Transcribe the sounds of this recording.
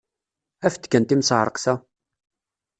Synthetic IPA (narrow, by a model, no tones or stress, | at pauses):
æft̪ːkːænt̪imsˤʕɾˤə̰qθæ